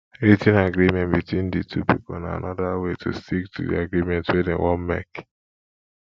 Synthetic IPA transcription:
ɾitĩnaɡɾimɛ̃ntbitwĩnditʰupipona̰a̰nʔɔdawetʰustiktʰudḭaɡɾimɛ̃ntwedḛ̃wɔnmɛ̰k

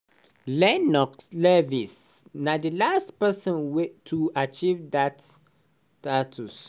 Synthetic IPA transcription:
lɛ̃nɔkslɛvisnadilastpɛsɔ̃nwɛtʰuat͡ʃivdat | tatʰus

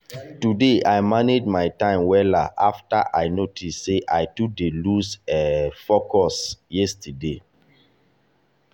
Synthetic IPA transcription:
tudeajmaned͡ʒmaɪtãɪ̃mwɛlaʔafta̰ʔaɪnotʰisːeʔaɪtudelusɛfokɔsjɛstʰəde

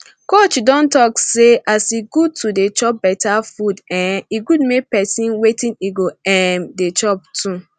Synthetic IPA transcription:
kot͡ʃdɔ̃ntɔkseʔasiɡud̚tʰudet͡ʃɔp̚bɛtafudɛ̃niɡudmek̚pɛsĩnwetĩniɡoɛmdet͡ʃɔp̚tʰu

